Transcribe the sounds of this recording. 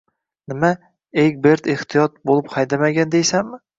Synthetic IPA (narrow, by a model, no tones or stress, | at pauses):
nɪma | eɡʲbe̞ɾd̪eht̪ʰijɒt̪̚bolˠɪpχʰɑjd̪amaɡʲand̪ejsamːɪ